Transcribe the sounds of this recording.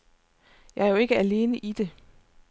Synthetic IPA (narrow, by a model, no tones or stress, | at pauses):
jɑ̈æɐjoe̝ɡ̥əæle̝ːnəʔid̥e̝